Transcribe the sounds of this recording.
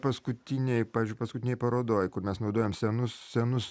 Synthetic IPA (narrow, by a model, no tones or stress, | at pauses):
pɐskʊt̪ʲɪnʲɛjpɑːʋʲizʲd͡ʒʊɪpɐskʊt̪ʲɪnʲɛɪpɐɾoːd̪oːjkʊɾmʲɛsnɒʊd̪oːjɛːmsʲɛnʊssʲɛnʊs